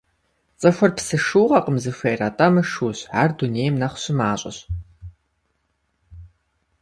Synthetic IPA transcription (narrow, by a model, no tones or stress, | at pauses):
t͡sʼɐxʷɐrpsɨʂuːʁɐqəmzɨfʷeːjrɐtʼɐmɨʂuːɕʕaːrduneːjmnɐχʷɕɪmaːɕʷʼɐ̰ɕ